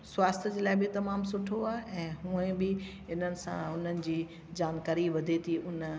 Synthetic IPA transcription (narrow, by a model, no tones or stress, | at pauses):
swaːst̪ʰəd͡ʑeːlaːɪbɪt̪ɐmaːmsʊʈʰoaːʔɛ̃ːɦũːẽbɪ | ɪn̤ənɪ̆sã̰ʊn̤ənɪ̆d͡ʑiː | d͡ʑaːnkaːɾiʋɐd̪ʱet̪ʰiʊn